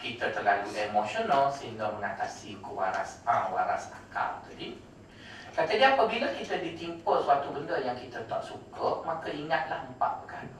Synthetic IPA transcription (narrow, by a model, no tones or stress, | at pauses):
kit̪ət̪əlaluleemoʃonəlsəɦiŋɡaməŋat̪asikuwa̰ɾa̰spãwaɾa̰sa̰ka̰lt̪adi | kat̪ədiapabiləkit̪ədit̪impəsuat̪ubəndəjaŋkit̪ət̪a̰ʔsukəmakaiŋat̪̚lahəmpa̰ʔbəkan